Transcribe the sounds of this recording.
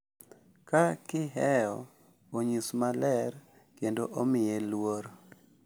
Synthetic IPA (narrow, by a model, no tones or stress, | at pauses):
kakɪɦɛjɔ | oɲismalɛr | kendoʔomɪjelwoɾ